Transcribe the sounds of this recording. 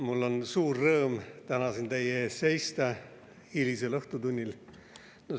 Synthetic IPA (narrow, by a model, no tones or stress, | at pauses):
mulːo̞nsuːrːɤːmt̪ænɑsint̪ejeeːsːe̞jst̪ɑ | hiliselɤht̪ut̪unʲːil | no